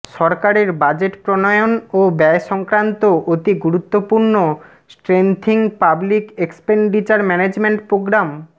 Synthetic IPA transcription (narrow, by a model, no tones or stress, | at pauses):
ʃɔɾkaɾeɾbad͡ʑeʈpɾonoeonobɛeʃɔŋkɾant̪oʔot̪iɡuɾut̪ːopuɾno | sʈɾent̪ʰiŋpablikekspeɳɖit͡ɕaɾmɛned͡ʑmeɳʈpɾoɡɾam